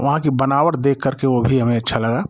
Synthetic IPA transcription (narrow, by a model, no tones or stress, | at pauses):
ʋɐ̰ɦãkibɐnaːʋəʈd̪eːkʰːəɾkeobʱiɦɐmẽɐtːʃʰalɐɡaː